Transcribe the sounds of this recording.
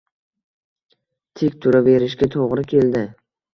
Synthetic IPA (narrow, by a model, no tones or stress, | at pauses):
t̪ʰɪkʲt̪ʰʊɾave̞ɾɪʃɡʲat̪ʰoʁɾɪkʲʰe̞ld̪ɪ